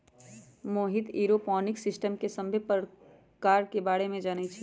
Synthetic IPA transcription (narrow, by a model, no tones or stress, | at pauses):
moːɦɪt̪iːɾopɔːnɪksɪsʈəmkesɐ̃mbʱepəɾ | kaːɾkebaːɽemẽd͡ʒaːnet͡ʃʰɛ